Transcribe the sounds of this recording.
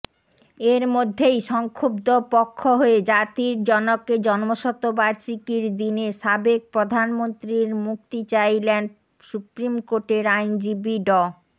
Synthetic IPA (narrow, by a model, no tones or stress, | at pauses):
eɾmod̪ʱːejʃɔŋkʰobd̪opɔkʰːoɦoed͡ʑat̪iɾd͡ʑɔnokːed͡ʑɔnmoʃɔt̪ːobaɾʃikiɾd̪ineʃabek̚pɾod̪ʱanmont̪ɾiɾmuk̚t̪it͡ɕajlenɖ | supɾimkoʈeɾajnd͡ʑibiɖɔ